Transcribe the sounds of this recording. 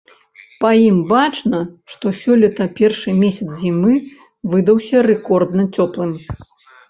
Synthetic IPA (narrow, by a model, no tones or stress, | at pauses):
pɐjimbat͡ʂnɐʂt̪ɔsʲɔlʲɐt̪ɐpʲɛrʂɨmʲesʲɐt̪szʲimɨ | vɨd̪ɐwsʲɐrɛkɔrd̪nɐt͡sʲɔplˠɨm